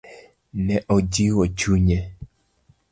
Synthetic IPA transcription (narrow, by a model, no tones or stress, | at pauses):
nɛʔod͡ʒiwɔt͡ʃuɲɛ